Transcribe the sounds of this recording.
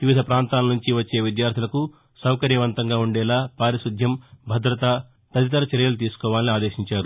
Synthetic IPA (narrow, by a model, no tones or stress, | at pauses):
d̪iʋid̪ʱɐpɾaːnt̪aːlɐnuɲt͡ʃiʋɐt͡ʃːe̞ːʋid̪jaːɾt̪ʰilɐku | sɐwkɐɾjɐʋɐnt̪ɐŋɡaːuɳɖɛːlaːpaːɾisud̪ʱjɐmbʱɐd̪ɾɐt̪ɐ | t̪ɐt̪it̪̬ɐɾɐt͡ʃɛɾjɐlut̪̬iːsu̥kɔːʋaːliniaːd̪eːʃiɲt͡ʃaːɾu